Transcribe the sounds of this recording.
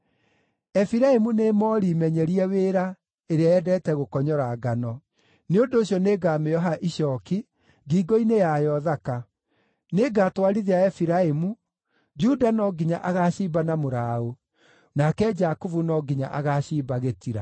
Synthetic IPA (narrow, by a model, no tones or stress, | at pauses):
ɛfiɾaemunemɔːɾimɛɲɛɾiɛweɾa | eɾeaɛdɛːtɛɣokɔɲɔɾaɡanɔ | neondoːɕjɔneːɡaːmeɔɦaʔiʃɔːki | ɡiːɡɔinejajɔðaka | neɡaːtwaɾiðeaɛfiɾaemu | d͡ʒudanɔɡiɲa̰ʔaɣaːɕiːbanamoɾao | nakɛd͡ʒakuvunɔɡiɲa̰ʔaɣaːɕiːbaɣetiɾa̰